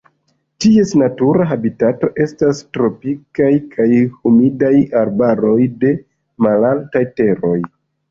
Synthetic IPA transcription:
tie̞snatuɾaɦabitato̞ʔe̞stastɾo̞pikajkʰajhumidajaɾbaɾo̞jde̞ | malaltajte̞ɾo̞j

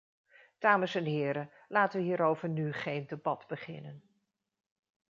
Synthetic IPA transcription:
d̥aːməsɛnɦɪːɾə | laːtəʋəɦiːɾowvəɹnyχejndebɑdbəχɪ̰nən

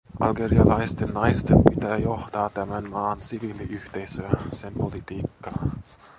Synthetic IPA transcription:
ʔɑ̰lɡeɾiɑlɑjst̪enːɑjst̪empit̪æːjoht̪ɑːt̪æmænmɑːnsiʋiːliʔyht̪ejsøːsempolit̪iːkːɑ

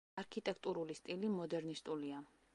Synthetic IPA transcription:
aɾkʰit̪ʼɛkʰt̪ʼuɾulist̪ʼilimɔd̪ɛɾnist̪ʼulia

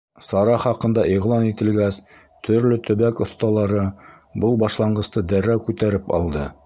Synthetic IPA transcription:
sɑɾɑχɑqɤ̆nd̪ɑʔiʁlˠɑnit̪ɘ̆lɡæs | t̪ʰɵ̆ɾlɵt̪ɵ̆βækŏθt̪ɑlˠɑɾɤ | bɤlˠbɑʃlˠɑɴɢɤ̆st̪ɤd̪æɾːæwkʉt̪æɾɘpɑ̰lˠd̪ɤ

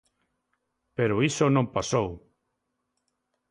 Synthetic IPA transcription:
peɾoisonõmpasow

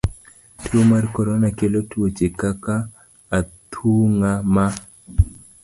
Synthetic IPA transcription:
tʰumarkɔɾɔnakelotuot͡ʃekakaː | t̪ʰuŋama

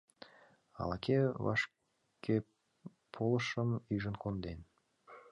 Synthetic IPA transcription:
ɑ̰lɑkʰeβɑ̰ʃ | kʰe | pʰoləʃəmyʒənkond̪en

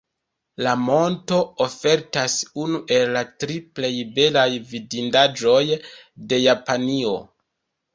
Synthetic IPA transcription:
lamo̞nto̞ofe̞ɾtasunuʔe̞lːatɾiple̞jbe̞lajvidindad͡ʒo̞j | de̞japanio̞̰

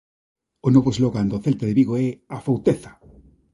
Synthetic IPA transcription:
onoβoezloɣand̪oθelt̪eðeβiɣoɛafowt̪eθḁ

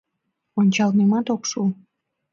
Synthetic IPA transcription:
onʲt͡ɕɑlnemɑt̪okʃu

